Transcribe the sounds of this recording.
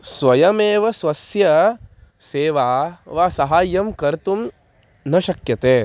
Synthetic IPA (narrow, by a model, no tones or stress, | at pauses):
sʋɐjɐmeːʋɐsʋɐsjɐ | seːʋaːʋaːsɐɦaːjɐmkɐɾt̪um | nɐʃɐkjɐt̪eː